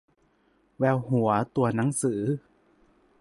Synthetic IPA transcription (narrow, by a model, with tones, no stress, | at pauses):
wɛː˧wɦu˨˩˦ɐt̪u˧ɐna˩˦ŋsɯː˩˦